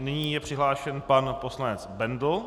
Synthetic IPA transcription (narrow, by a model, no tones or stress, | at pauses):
nɪɲiːjɛpr̝̥ɪɦlaːʃɛnpanpo̞slanɛt͡sbɛndl